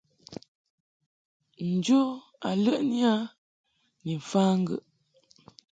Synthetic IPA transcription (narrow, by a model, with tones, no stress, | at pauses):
n̩˨d͡ʒo˦ | a˨lə˦ʔni˦a˦ | ni˨ɱ̩˨faː˦ŋ̩˦ɡə̰˦˨ʔ